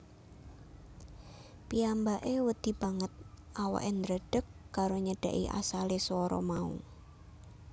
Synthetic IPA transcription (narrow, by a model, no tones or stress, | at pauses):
piambaʔewəd̪̥i̤b̥a̤ŋət̪̚ʔawa̰ʔɪnɾəɖ̥ə̤kːaɾoɲəɖ̥a̤̰ʔḭʔa̰saleswɔɾɔ̰maṵ